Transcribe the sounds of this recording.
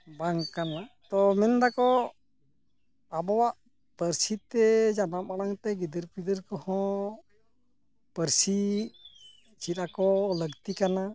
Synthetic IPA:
baŋkanat̪ɔmɛnd̪akɔ | abɔwaʔ | pəɾsit̪ɛd͡ʒanap̚aɽaŋt̪ɛɡid̪əɾpid̪əɾkɔhɔ̃ | pəɾsi | t͡ʃʰit̪akɔləɡt̪ikana

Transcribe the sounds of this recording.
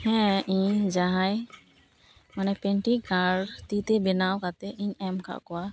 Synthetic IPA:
hɛ̃ʔĩɲd͡ʒaɦaj | manɛpɛɳʈikaɽt̪it̪ɛbɛnawkat̪ɛʔiɲɛmkʰa̰ʔkɔwa

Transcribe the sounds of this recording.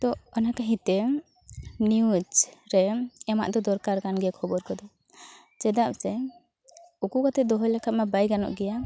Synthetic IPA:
t̪ɔɔnakaɦit̪ɛ | njud͡ʒɾɛɛma̰ʔd̪ɔd̪ɔɾkaɾkanɡɛkʰɔbɔɾkɔd̪ɔ | t͡ʃɛd̪ap̚sɛ | ukukat̪ɛd̪ɔɦɔjlakʰat̪̚mabajɡanɔ̰ʔɡɛja

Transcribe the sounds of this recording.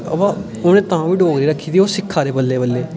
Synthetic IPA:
ə̰ʋaː | onẽːt̪ãːʋiːɖoːɡɾiːɾəkʰːiːd̪iːoːsɪkʰːaːɾeːbəlːeːbəlːeː

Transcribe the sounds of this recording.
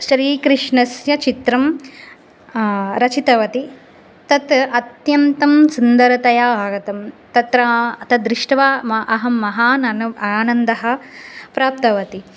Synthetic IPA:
ʃɾiːkɾɪʂɳɐsjɐt͡ʃit̪ɾɐm | ɾɐt͡ʃit̪ɐʋɐt̪i | t̪ɐt̪ɐt̪jɐnt̪ɐmsund̪ɐɾɐt̪ɐjaːbaːɡɐt̪ɐmt̪ɐt̪ɾɐt̪ɐd̪ɾɪʂʈɐʋaːmɐʔɐɦɐmːɐɦaːnɐnɐaːnɐnd̪ɐɦɐ̆pɾaːp̚t̪ɐʋɐt̪i

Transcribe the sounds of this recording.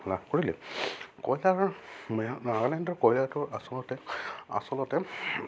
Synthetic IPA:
labkoɹilɛ̰kɔjlaɹmaɡlɛndɔɹkɔjlatʊɹasɔlɔtɛa̰sɔlɔtɛ

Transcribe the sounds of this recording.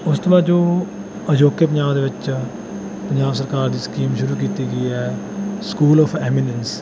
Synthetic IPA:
ʊst̪obaːd͡ʒoː | əd͡ʒoːkeːp̬ə̃ɲd͡ʒaːbd̪eːʋɪt͡ʃ | pəɲd͡ʒaːbsəɾkaːɾd̪iːskiːmʃʊɾuːkiːt̪iːɡəiːɛː | skuːlɔːpʰɛːmɪnəns

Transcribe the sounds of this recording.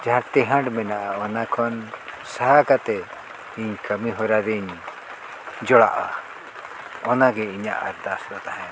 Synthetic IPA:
d͡ʒãt̪ɛɦãɳɖmɛnaʔaɔnakʰɔnsaɦakat̪ɛ | iɲkəmiɦɔɾaɾiɲ | d͡ʒɔɽa̰ʔa̰ | ɔnaɡɛiɲa̰ʔa̰ɾd̪asɾɔt̪aɦɛ̃

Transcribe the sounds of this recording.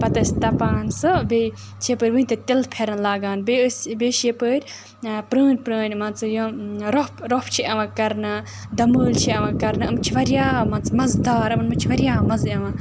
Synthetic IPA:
pɐt̪ɐsʲt̪ɐpaːnsɨbeː | t͡ʃʰepɨːɾʲʋɨinʲt̪ɨt̪ʲilpʰeɾɐnlaːɡaːnbesbeːʃepəːɾʲ | pɾəːnʲpɾəːnʲmɐnt͡sɨjoɾopʰɾopʰt͡ʃʰiʔɐʋãːkɐɾnɨ | d̪ɐməːlʲt͡ʃʰiɐʋãːkɐɾnɨɐmt͡ʃʰiʋɐɾjaːmɐnt͡sɨmɐzd̪aːɾɐmɐnmɨt͡ʃʰiʋɐɾʲjaːmɐzɐʋãː

